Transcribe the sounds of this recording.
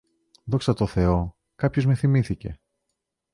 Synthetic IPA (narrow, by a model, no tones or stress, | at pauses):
ðo̞ksɐt̪o̞θe̞o̞ | kɐpço̞zme̞θimiθice̞̰